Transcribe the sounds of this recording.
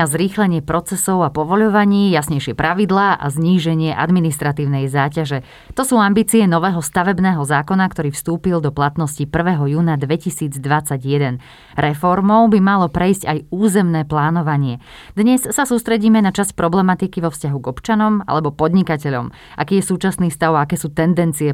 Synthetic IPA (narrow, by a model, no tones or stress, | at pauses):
azɾiːxlɛɲɪɛpɾɔt͡sɛsɔʊapɔʋɔʎɔʋaɲiːjasɲɛjʃɪɛpɾʔaʋid̪laːʔa̰zɲiːʒɛɲɪɛʔa̰d̪minist̪ɾat̪iːʊnɛjzaːcaʒɛ | t̪ɔsuːambiːt͡siɛnɔʋɛːɦɔst̪aʋɛbnɛːɦɔzaːkɔnakt̪ɔɾiːfst̪uːpild̪ɔplat̪nɔscipr̩ʋɛːɦɔjuːnad̪ʋɛcisiːd͡zd̪ʋat͡saɟjɛd̪ɛn | ɾɛfɔɾmɔʊbimalɔpɾɛjscajuːzɛmnɛːplaːnɔʋaɲɪɛ | d̪ɲɛsːasuːst̪ɾɛɟiːmɛnat͡ʃaspɾɔblɛmat̪ikiʋɔfscaɦuɡɔpt͡ʃanɔma̰lɛbɔpɔd̪ɲikacɛʎɔ̰m | ʔa̰kiːjɛsuːt͡ʃasniːfst̪aʊaakɛːsuːt̪ɛnd̪ɛnt͡siɛ